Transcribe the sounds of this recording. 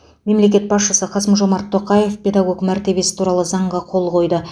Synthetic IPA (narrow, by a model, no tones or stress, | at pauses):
me̞mle̞k̬ʲe̞t̪̚bɑsʃəsəqʰɑsəmʒo̞mɑɾt̪ʰːo̞qɑje̞fpʲʰe̞d̪ɑɡo̞kmæɾt̪e̞be̞sɪ̥t̪ʰuɾɑlˠəzɑɴʁɑqʰo̞lˠqʰo̞jd̪ə